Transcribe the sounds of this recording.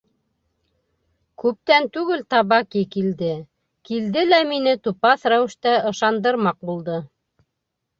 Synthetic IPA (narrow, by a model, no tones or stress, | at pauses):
kʉp̚t̪ænt̪ʉɡɘlt̪ɑβɑkikild̪ɘ | kild̪ɘlæminɘt̪upɑθɾæwɘ̆ʃt̪æɤ̆ʃɑnd̪ɤ̆ɾmɑq̚bulˠd̪ɤ